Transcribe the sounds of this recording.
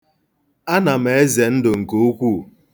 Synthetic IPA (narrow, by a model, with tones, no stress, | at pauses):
a˦na˨m̩˨e˨e˦ze˨n̩˦dʊ˨ŋ̩˨ko˨˦o˦kʷu˦˨